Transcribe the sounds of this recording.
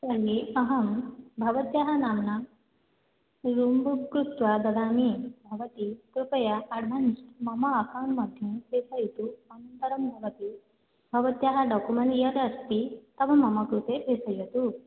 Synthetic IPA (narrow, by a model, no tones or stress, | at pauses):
saɦiɐɦɐmbʱɐʋɐt̪jaɦanamna | ɾumbukɾut̪ʋad̪ɐd̪aːmibʱɐʋɐt̪ikɾupjaɐɖʱʋansmɐmɐːkaːmmɐd̪ʱjũpesɐjit̪uɐnɐnt̪ɐɾɐmbʱɐʋɐt̪i | bʱɐʋt̪jaɦaɖɔkumeɳʈjɐɾɐst̪it̪ɐʋɐmːɐmɐkɾut̪epesɐjet̪u